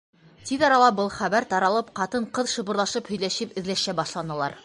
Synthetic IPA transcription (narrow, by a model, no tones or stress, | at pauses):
t̪iðɒɾɑlˠɑbɤlˠχæβæɾt̪ɑɾɑlˠɤpqɑt̪ɤɴqɤðʃɤ̆βɤ̆ɾlˠɑʃɤphɵ̆jlæʃɘpɘ̆ðlæʃæbɑʃlˠɑnɤ̆lˠɑ̰ɾ